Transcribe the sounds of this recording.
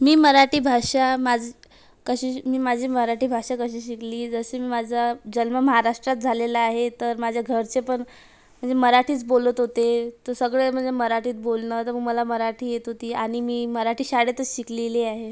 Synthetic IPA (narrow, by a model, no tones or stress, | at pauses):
miːməɾaʈiːbʱaʂamad͡ʑʱ | kəɕiːmiːmad͡ʑʱiːməɦaɾaʈiːbʱaʂakəɕiːɕikliːd͡zəɕemiːmad͡zʱad͡ʑəlməməɦaɾaʂʈɾat̪̚d͡zʱalelaaɦet̪əɾmad͡ʑʱjaɡʱəɾt͡sepəɳ | m̤əɳd͡zeməɾaʈʰiːt͡sbolət̪ɦot̪et̪əsəɡɭem̤əɳd͡zeməɾaʈʰiːt̪̚bolnət̪əɾməɡməlaməɾaʈʰiːjet̪ɦot̪iːaɽ̃imiːməɾaʈʰiːɕaɽet̪əɕikleliaɦe